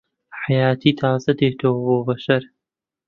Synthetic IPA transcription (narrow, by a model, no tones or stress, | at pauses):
ħajaːt̪ʰiːt̪ʰaːzɐd̪eːt̪ʰowbobɐʃɐɾ